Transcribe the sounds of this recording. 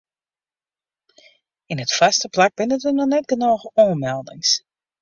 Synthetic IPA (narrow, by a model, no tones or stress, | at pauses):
ɪnətfastəplak̚bɪnətənɔnɛt̚ɡənoːɣəɔəmɛlˠdɪ̰ŋs